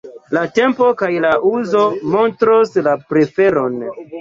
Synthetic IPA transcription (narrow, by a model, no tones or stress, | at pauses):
late̞mpo̞kajlaʔuzomo̞ntɾoslapɾe̞fe̞ɾon